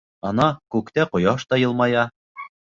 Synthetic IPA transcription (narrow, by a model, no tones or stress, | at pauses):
ɑnɑkʉkt̪æqŏjɑʃt̪ɑjɤ̆lˠmɑjɑ